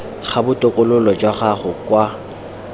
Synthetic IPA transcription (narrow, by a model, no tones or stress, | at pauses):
χabʊtʼʊkʼʊlʊlɔd͡ʒwaχaχʊkwa